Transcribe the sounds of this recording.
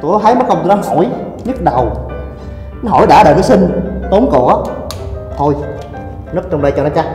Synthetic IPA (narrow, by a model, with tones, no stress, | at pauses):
t̪u˧˩ɔ˨˦ɦaː˨˦jməː˨˦jkə˧wŋ͡mt̪n˨˦hɔ˧˩˦j | ɲɨ˦˥t̚ɗə˨˩w | n˦ɦɔ̰˧˩jɗaː˧˩ɗəː˨˩jnəː˨˦jsi˧ŋt̪o˨˦nko̰˧˨˩ | t̪ʰo˧j | nɨ˦˥ək̚t͡ɕɔ˧ŋ͡mɗə˧jt͡ɕɔ˧nɔ˨˦t͡ɕaː˦